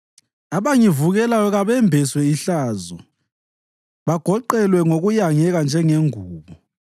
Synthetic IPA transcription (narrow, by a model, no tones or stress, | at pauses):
aβaŋivuɣɛlajɔɣaβɛmbʱɛswɛiɬaːzɔ̰ | βaɡ̥ʱɔǃɛlwɛŋoɣujaŋɛɣand͡ʒʱɛŋeŋuːβɔ